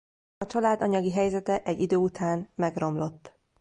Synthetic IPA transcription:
ɒt͡ʃɒlaːd̪ɒɲɒɡiɦɛjzɛt̪ɛʔɛɟːid̪øːut̪ʰaːnmɛɡro̞mlo̞t̪ː

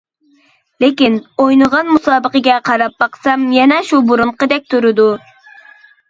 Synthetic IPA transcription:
lɪkʲinojnəʁɑnmusɑːbəqəɡʲɛqʰɑɾɑp̚ːɑqsɑmjɛnɛʃubuɾʊɴqəd̪ɛk̚ʲt̪ʰuɾɪd̪u

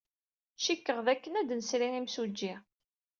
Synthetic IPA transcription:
ʃikːəʁðækːənæd̪nəsɾiimsud͡ʒːi

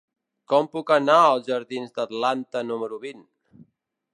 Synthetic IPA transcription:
kɔmpukənaəlˠzʒəɾðinzd̪ət̪lant̪ənuməɾuβin

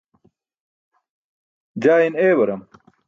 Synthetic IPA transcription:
d͡ʑaːineːbɐɾɐm

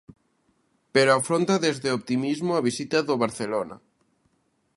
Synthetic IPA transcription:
peɾoafɾont̪aðezðeop̚t̪imizmoaβ̞isit̪aðoβaɾθelona̰

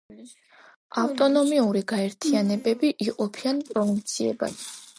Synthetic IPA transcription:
aft̪ʼɔnɔmiuɾiɡaɛɾt̪ʰianɛbɛbiʔiqʼɔpʰianpʼɾɔvint̪sʰiɛ̰ba̰d̪

